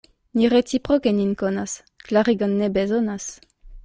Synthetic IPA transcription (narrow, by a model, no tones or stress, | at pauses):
niʁett͡sipʁokeninkonas | klaʁiɡɔnːebezonas